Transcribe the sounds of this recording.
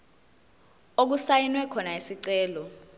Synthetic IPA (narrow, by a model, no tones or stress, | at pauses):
ok̬usajinwɛkʰɔnaisiǀɛːlɔ